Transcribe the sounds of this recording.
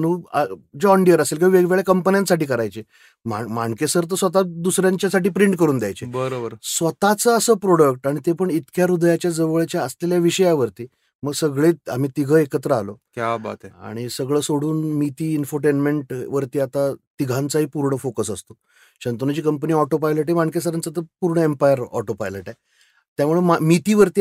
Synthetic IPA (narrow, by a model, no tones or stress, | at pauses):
nuːəd͡ʑɔɳɖiəɾəselkaiʋeɡʋeɭjakəmpənjãnsaʈiːkəɾajt͡ɕe | mamaŋkesəɾt̪̬əsʋət̪ad̪usɾjãɲt͡ɕjasaʈiːpɾiɳʈ̚kəɾuːnd̪jajt͡ɕebəɾobəɾsʋət̪at͡səːsəpɾoɽək̚ʈaɽ̃it̪epəɳit̪kjaɾud̪ʱjat͡ɕjad͡zəʋəɭt͡ɕjaəsleljaʋiɕəjaʋəɾt̪iː | məɡsəɡɭet̪a̰m̤iːt̪iɡʱəːekət̪ɾəalokjaba̰t̪aa̰ɽ̃isəɡɭəːsoɽuːnmit̪iːnfoɾʈ̬enmeɳʈʋəɾt̪iːat̪at̪iɡʱãnt͡saɦiːpuɾɳəfokəsəst̪o̥ | ɕənt̪onat͡ɕiːkəmpəniːɔʈopajleʈemaŋkesəɾant͡sət̪əpuɾɳəempajəɾɔ̰ʈopajleʈaj | t̪jamuɭemamit̪iːʋəɾt̪iː